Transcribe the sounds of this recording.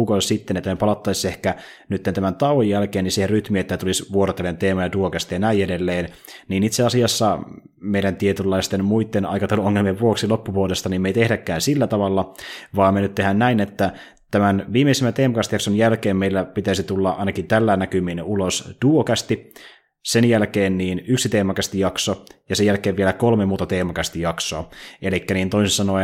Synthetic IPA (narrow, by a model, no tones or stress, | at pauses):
ukosit̪ːenet̪ːæmepɑlɑt̪ːɑisehkænyt̪ːent̪æmænt̪ɑwojjælkeːnisiherryt̪miet̪ːæt̪ulisʋuoɾot̪ːelːent̪eːmɑjɑduokæst̪ijɑnæijedelːeːnniːnit̪seɑsiɑsːɑ | meijɾænt̪iet̪ylːɑist̪enmuit̪ːenɑ̰jkɑt̪elːuoŋːelmieʋʋuoksilopːupuolest̪ɑnimːeit̪ehdækːæːnsilːæt̪ɑʋɑlːɑʋɑːmenyt̪t̪ːehænnæinet̪ːæ | t̪æmænʋiːmeisemːænt̪eːmɑkɑst̪ijɑksonjælkeːmmejlːæpit̪æisit̪ulːɑʔɑ̰jnɑkit̪ælːæːnːækyminulosd̥uokæst̪i | senjælkeːnːiːnyksit̪eːmɑkɑst̪ijɑksojɑsejælkeːʋielækolmemuːt̪ɑt̪eːmɑkæst̪ijɑksoɑelikːæniːnt̪oisisɑnoi